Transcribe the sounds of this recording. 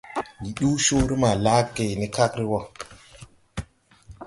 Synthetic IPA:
ji˨ɗu˦ʃu˦ɾi˦ma˨la˦ke˨ni˦ka˦kɾi˦wo˦˨

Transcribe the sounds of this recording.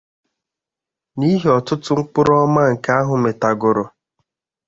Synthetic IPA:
ni˦ɦi˨ɔ˨tʊ˦tʊ˦ŋ̩˦k͡pʊ˦ɾɔ˦ma˦ŋ̩˨ka˦a˦ɦʊ˨me˨ta˨ɡʊ˨ɾʊ˨

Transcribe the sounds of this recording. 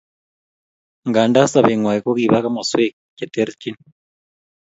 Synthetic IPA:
ŋɡaː˨nda˦sa˨βe˨ŋwaː˨je˦ko˦kiː˨βa˦ka˦ma˨se˦ | ce˨te˦ɾci˦n

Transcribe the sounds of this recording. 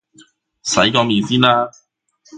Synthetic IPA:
sɐ˨˥jkɔː˧miː˨˧nsiː˥nlaː˥

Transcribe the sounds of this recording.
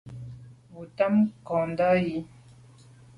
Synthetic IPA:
bu˨ta˦mkɔ̃˨n˨da˦ji˦

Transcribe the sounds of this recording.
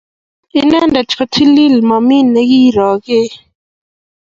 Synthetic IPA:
ɪ˦nɛ˦ndɛ˨t͡ʃɔ˨tʰi˦li˦˨lmɔ˨mi˦˨nɛ˦ɡi˦˨ɾɔ˨ɡɪ˦

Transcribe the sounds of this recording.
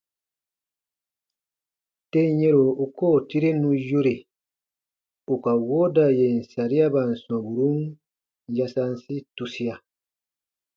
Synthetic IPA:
te˦jẽ˦ɾo˨u˨ko˦˨ti˦ɾe˦nũ˦jo˦ɾe˨ | u˨ka˨wo˦da˨je˨n̩˨sa˨ɾi˦a˦ba˨n̩˨sɔ̃˨bu˨ɾu˦n | ja˦sa˦nsi˦tu˦si˦a˨

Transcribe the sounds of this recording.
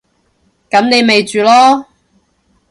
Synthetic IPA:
kɐ˨˥mne˨˧jme˨jt͡ʃyː˨lɔː˥

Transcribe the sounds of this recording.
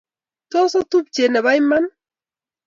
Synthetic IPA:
tɔ˦sɔ˦tu˦p̚t͡ʃe˨nɛ˨βa˦jma˦n

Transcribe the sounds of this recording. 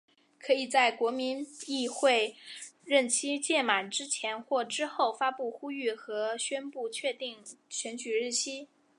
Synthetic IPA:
kʰɤ˧˥i˨˩t͡sa˥˩ɪkwɔ˧˥mi˧˥ni˥˧xwe˥˧ɪɻə˥˩nt͡ɕʰi˥t͡ɕjɛ˥˩ma˨˩nʈ͡ʂɻ̩˥t͡ɕʰjɛ˧˥nxwɔ˥˩ʈ͡ʂɻ̩˥xo˥˩ʊfa˥pu˥˩xu˥y˥˩xɤ˧˥ɕɥɛ˥npu˥˩t͡ɕʰɥɛ˥˧t̪i˥˩ŋɕʰɥɛ˧˥nt͡ɕy˨˩ɻɻ̩˥˩t͡ɕʰi˥

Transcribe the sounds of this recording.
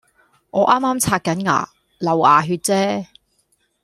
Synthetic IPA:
ŋʔɔː˨˧ʔaː˥mːaː˥mt͡sʰaː˧t̚kɐ˨˥nŋa̰ː˨˩ | lɐ˨˩waː˨˩ɦyː˧t̚t͡sɛː˥

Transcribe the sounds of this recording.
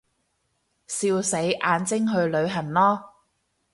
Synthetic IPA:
siː˧wse˨˥jʔaː˨˧nt͡sɪ˥ŋɦɵ˧ɥlɵ˨˧ɥɦɐ˨˩nlɔː˥

